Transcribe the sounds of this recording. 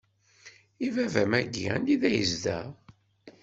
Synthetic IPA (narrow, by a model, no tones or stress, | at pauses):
ivævæmæɡːæ̰niðæjəzd̪æ̰